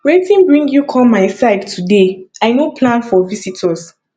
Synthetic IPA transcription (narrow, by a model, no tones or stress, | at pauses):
wetĩnbɹĩŋɡjukʰɔlmaɪsaɪftʰudeaɪnopʰlãnfɔvisitʰɔs